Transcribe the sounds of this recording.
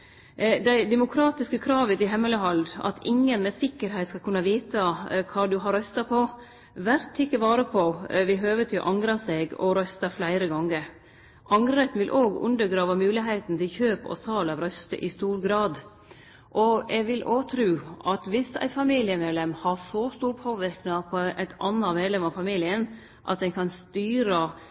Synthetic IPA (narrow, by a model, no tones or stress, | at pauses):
d̪æɪd̪ɛmʊkʰɾɑːt̪ɪskəkʰɾɑːʋət̪ɪɦɛmːələɦɑld̪ɑ̰t̪ʰɪŋːənmɛsɪkːəɾɦæɪt̪skɑlkʰʉnːɑʋiːt̪ʰɑkʰɑːd̪ʉɦɑɾœst̪ɑpʰɔ | ʋæɾt̪ʰɪkːəʋɑːɾəpʰɔʋɪɦøːʋət̪ʰɪʔɑŋɾɑseːɡɔ̰ɾœst̪ɑflæɪɾəɡɑŋːəɾ | ʔɑŋɾɾət̪nʋɪlʔoːɡʉ̰nd̪əɾɡɾɑːʋɑmʉːlɪɦeɪt̪n̩t̪ʰɪlçøːpɔ̰sʰɑːlɑʋɾœst̪ə̰ʔɪst̪uːɾɡɾɑːd̪ | ʔɔɛɡʋɪlʔoːt̪ʰɾʉːʔɑt̪ʋɪsæ̰ɪt̪fɑmiːlɪəmeːd̪lɛmhɑɾsɔst̪uːɾpʰoːʋɪɾknɑpʰɔʔæɪt̪ɑnːɑmeːd̪lɛmɑʋfɑmiːlɪən | ʔɑ̰t̪̚d̪ɛnkʰɑnst̪yːɾə